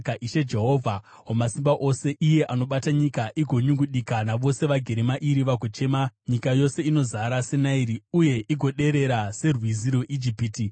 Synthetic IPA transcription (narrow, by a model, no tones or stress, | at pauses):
kaʔiʃe̞d͡ʒe̞ɦoːvʱa | ɦomasimbaʔo̞se̞ʔije̞ʔano̞ɓataɲikaʔiɡʱo̞ɲuŋɡuɗikanaʋo̞se̞ʋaɡʱe̞ɾemaʔiɾiʋaɡʱot͡ʃe̞maɲikajo̞se̞ino̞zaɾase̞naiɾiuje̞ʔiɡʱo̞ɗe̞ɾe̞ɾase̞rwiziɾoʔid͡ʒipiti